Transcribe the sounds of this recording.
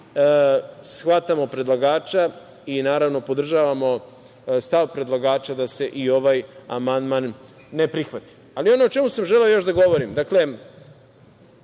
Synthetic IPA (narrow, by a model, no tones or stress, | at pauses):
sxʋat̪amo̞pɾed̪lˠaɡaːt͡ʃa | inaːɾaʋno̞pod̪r̩ʒaːʋamo̞ | st̪aʋpɾe̞d̪lˠaɡaːt͡ʃad̪ase̞ʔio̞ʋaːja̰mand̪manː | e̞pɾixʋat̪i̥ | alio̞noot͡ʃe̞musamʒeleojo̞ʃd̪aɡo̞ʋo̞ɾimd̪akle